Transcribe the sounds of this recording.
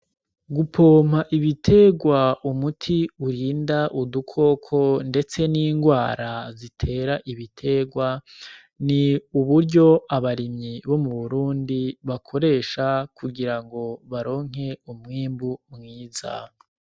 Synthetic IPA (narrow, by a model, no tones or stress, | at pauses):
ɡupʰoːm̥haʔiβitʰe̞ɡwaumutʰiuɾiːndaʔudukʰo̞ːkʰo̞nde̞t͡se̞niːŋɡwaːɾazitʰe̞ːɾaʔiβitʰe̞ɡwa | niuβuɾɟo̞aβaɾimɲiβo̞muβuɾuːndiβakʰo̞ɾe̞ːʃakʰuɡiɾaŋɡo̞βaɾo̞ːŋ̥ɦe̞umŋiːmbumŋiːza̰